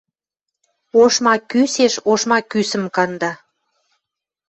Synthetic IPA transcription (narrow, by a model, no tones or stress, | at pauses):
oʃmɑkyseʃoʃmɑkysə̆mkɑnd̪ɑ